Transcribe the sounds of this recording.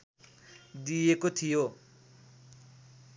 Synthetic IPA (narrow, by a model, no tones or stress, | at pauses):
d̪ijekot̪ʰijo